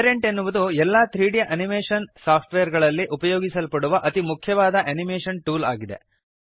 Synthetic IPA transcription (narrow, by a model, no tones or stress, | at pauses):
ɾeɳʈenːuʋud̪uɛlːat̪ɾiːɽijɐʔɐnimeːʂɐnsaːpʰʈʋejɐɾɡɐɭɐlːiʔupɐjoːɡisɐlpɐɽuʋɐʔɐt̪imukʰjɐʋaːd̪ɐʔɐnimeːʂɐnʈuːla̰ːɡid̪e̞̰